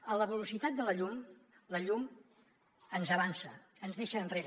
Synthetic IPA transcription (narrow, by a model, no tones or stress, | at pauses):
ələβəlusit̪at̪̚d̪ələʎum | ləʎum | ənzəβ̞ansə̰ | ənzðeʃəːnreɾ